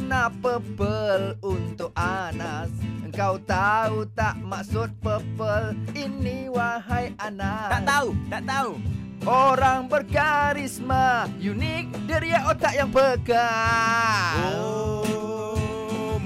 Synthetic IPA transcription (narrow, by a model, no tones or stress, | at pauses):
napəbəlunt̪ʊk̚anasəŋkawt̪aut̪aʔmaksʊt̪̚pəpəlinːiwaɦajanat̪at̪aut̪aʔt̪au | ʔoɾaŋbərkaɾismajunɪk̚dəɾiaʔot̪aʔjaŋbəka | o